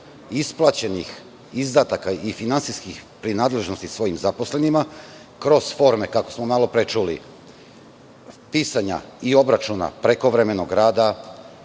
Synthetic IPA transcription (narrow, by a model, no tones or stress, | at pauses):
isplˠat͡ɕe̞nix | izd̪at̪akaifinant̪siskixpɾinaːd̪le̞ʒnost̪isʋo̞jimzapo̞sle̞nima | kɾo̞z̥fo̞ɾme̞kakosmo̞malo̞pɾet͡ʃulḭ | piːsaɲa̰io̞bɾat͡ʃuna̰pɾe̞ko̞ʋɾeme̞no̞ɡɾaːd̪a